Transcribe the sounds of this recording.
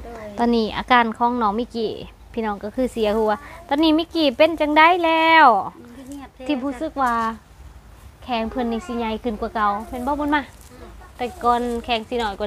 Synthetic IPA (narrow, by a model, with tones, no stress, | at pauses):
t̪ɔː˧˨niː˧˩ʔa̰ː˧˦kaː˧˩nkʰɔː˧˥˨ŋnɔː˧˦ŋmiː˧˨kiː˧˩ | pʰiː˧˨nɔː˧˨ŋka˧˩kʰɯː˧˨si˨˦ɐkʰɯː˧˩waː˧t̪ɔː˧˨niː˧˨miː˧˨kiː˧˩pe˧˨nt͡ɕa˧ŋda˧˨jlɛː˧w | t̪ʰiː˧˩buː˧˨sɯ˧˦k̚waː˧ | kʰɛː˨˦ŋpʰɤ˧˨nːa˧˨si˧˩ɲa˧˨jkʰɯ˧˨nku˧ka˧˩wmɛ˧˨nbɔː˧˦˨bo˧˥˨nmaː˧˨ | k̪a˧˩kɔː˧nkʰɛː˨˦ŋsiː˧˨nɔː˧˩jkɔ˧